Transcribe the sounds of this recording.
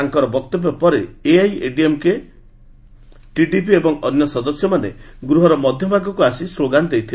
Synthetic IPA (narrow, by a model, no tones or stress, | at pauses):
aŋkɔɾɔbɔkt̪ɔbjɔpɔɾeeajeɖiemke | ʈiɖipiebɔŋɔnjɔsɔd̪ɔsjɔmanḛɡɾuɦɔɾɔmɔd̪ʱjɔbʱaɡɔkuasisloɡand̪ejt̪ʰil